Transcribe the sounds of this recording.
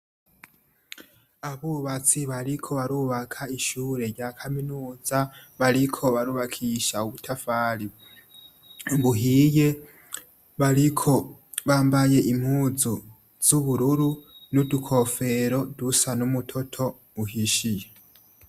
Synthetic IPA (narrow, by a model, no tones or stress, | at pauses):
aβuβat͡siβaɾikʰo̞βaɾuβakʰaiʃuːɾe̞ɾɟaːkʰaminuːzaβaɾikʰo̞βaɾuβakʰiʃauβutʰafaːɾi | βuɦije̞ | βaɾikʰo̞ | βaːmbaje̞ʔimhuːzu | z̥uβuɾuɾunudukʰo̞fe̞ɾo̞dusanumutʰo̞tʰo̞ | βuhiʃije